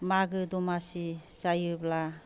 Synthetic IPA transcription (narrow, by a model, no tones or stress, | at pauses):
maɡɯdɔmasisajɯbla